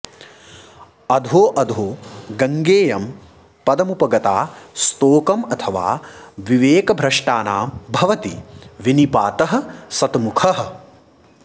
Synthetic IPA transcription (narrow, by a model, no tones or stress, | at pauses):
ɐd̪ʱoːʔɐd̪ʱoːɡɐŋɡeːjɐm | pɐd̪ɐmupɐɡɐt̪aːst̪oːkɐmɐt̪ʰɐʋa̰ːʋiʋeːkɐbʱɾɐʂʈaːnaːmbʱɐʋɐt̪iʋinipaːt̪ɐɦɐ̆sɐt̪mukʰɐɦɐ̆